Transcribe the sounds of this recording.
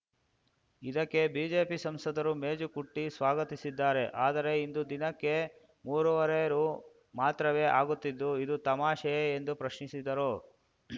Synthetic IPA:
id̪ɐkːe̞biːd͡ʒe̞ːpisɐmsɐd̪ɐɾumeːd͡ʒukuʈːisʋaːɡɐt̪isid̪ːaːɾe̞ʔaːd̪ɐɾe̞ind̪ud̪inɐkːe̞ | muːɾuʋɐɾɛjɐɾu | maːt̪ɾɐʋe̞ːʔaːɡut̪ːid̪ːuid̪ut̪ɐmaːʃɐjeend̪upɾɐʃnisid̪ɐɾoː

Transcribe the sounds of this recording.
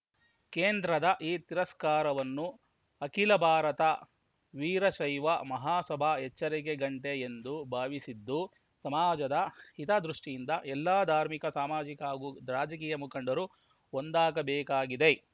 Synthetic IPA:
keːnd̪ɾɐd̪ɐʔiːt̪iɾɐskaːɾɐʋɐnːu | ɐkilɐbʱaːɾɐt̪ɐ | ʋiːɾɐʃɐjʋɐmɐɦaːsɐbʱaɛt͡ʃːɐɾiɡeɡɐɳʈe̞end̪ubʱaːʋisid̪ːu | sɐmaːd͡ʒɐd̪ɐhit̪ɐd̪ɾuʂʈijind̪ɐʔɛlːaːd̪ʱaːɾmikɐsaːmaːd͡ʒikaːɡud̪ɾaːd͡ʒɐk̬iːjɐmukɐɳɖɐɾu | ond̪aːɡɐbɛːkaːɡid̪e

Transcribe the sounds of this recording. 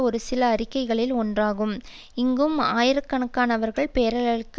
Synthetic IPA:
ɔɾɯsɪlɐːɾɪkːɐɪɣɐɭɪlɔndraːɣɯm | ɪŋɡɯmaːjɪɾɐkːɐɳɐkːaːnɐʋɐɾɣɐɭpeːɾɐlɐɾɯkː

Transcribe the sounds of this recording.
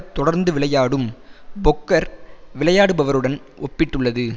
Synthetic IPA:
t̪ːɔɽɐɾnd̪ɯʋɪɭɐjaːɽɯmbɔkːɐɾʋɪɭɐjaːɽɯbɐʋɐɾɯɽɐn | ʔɔpːɪʈːɯɭːɐðɯ

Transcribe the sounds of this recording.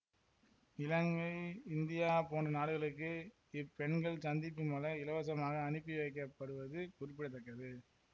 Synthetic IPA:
ɪlɐŋɡɐɪɪnd̪ɪjaːpoːɳɖɯnaːɽɯɣɐɭɯkːɯ | ɪpːɛɳɡɐɭsɐnd̪ɪpːɯmoːlɐɪlɐʋɐsɐmaːɣɐːnɯpːiʋɐɪk̬ːɐpːɐɽɯʋɐðɯkʊɾɪp̬ːɪɽɐt̪ːɐkːɐðɯ

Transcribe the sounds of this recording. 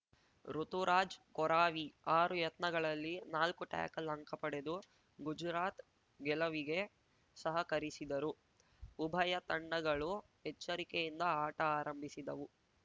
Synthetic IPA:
ɾut̪uɾaːd͡ʒkɔɾaːʋiaːɾujɐt̪nɐɡɐɭɐlːinaːlkuʈa̰ːkɐlɐŋkɐpɐɽe̞d̪u | ɡud͡ʒɾaːt̪ | ɡɛlɐʋiɡe̞ | sɐɦɐkɐɾisid̪ɐɾu | ubʱɐjɐt̪ɐɳːɐɡɐɭu | ɦɛt͡ʃːɐɾikejind̪ɐaːʈɐaːɾɐmbʱisid̪ɐʋu

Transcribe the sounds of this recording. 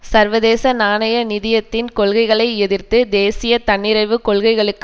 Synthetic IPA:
sɐɾʋɐðeːsɐnaːnɐjɐnɪðɪjɐt̪ːɪnkɔɭɣɐɪɣɐɭɐɪɛðɪrt̪ɯd̪eːsɪjɐt̪ɐɳːɪɾɐɪʋɯkɔɭɣɐɪɣɐɭɯkː

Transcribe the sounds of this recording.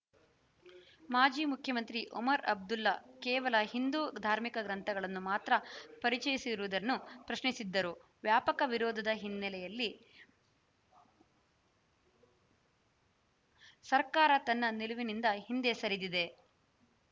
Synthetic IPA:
maːd͡ʒiːmukʰjɐmɐnt̪ɾiʔɔ̰mɐɾɐ̰b̚d̪ulːɐkɛːʋɐlɐhind̪uːd̪ʱaːɾmikɐɡɾɐnt̪ʰɐɡɐɭɐnːumaːt̪ɾɐpɐɾit͡ʃɐjisiɾuʋud̪ɐnːupɾɐʃnisid̪ːɐɾu | ʋjaːpɐkɐʋiɾɔːd̪ʱɐd̪ɐɦinːɐlɛjɐlːi | sɐɾkaːɾɐt̪ɐnːɐniluʋinind̪ɐɦind̪esɐɾid̪id̪e̞

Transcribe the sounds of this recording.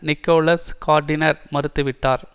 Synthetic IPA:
nɪkːoːlɐskaːɾɖɪnɐɾmɐɾɯt̪ːɯʋɪʈːaːɾ

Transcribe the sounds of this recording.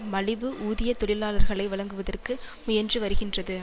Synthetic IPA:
mɐɭɪʋɯʔuːðɪjɐt̪ɔɭɪlaːlɐɾɣɐɭɐɪʋɐɭɐŋɡɯʋɐðɐrkɯ | mʊjɐndrɯʋɐɾɯɣɪndrɐðɯ

